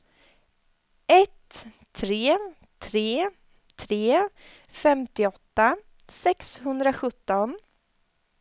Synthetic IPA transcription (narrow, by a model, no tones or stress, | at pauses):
ɛt̪ʰː | ɾeː | t̪ʰɾeː | t̪ʰɾeː | fɛmt̪ɪɔt̪ːa | sɛkshɵnd̪ɾaɧɵt̪ːɔn